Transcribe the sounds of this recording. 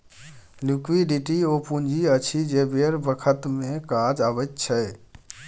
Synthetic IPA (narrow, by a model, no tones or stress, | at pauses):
lukʋiɖiʈiopund͡ʒʱiət͡ʃʰid͡ʒebeɾbəkʰət̪mekad͡ʒabət̪̚t͡ʃʰə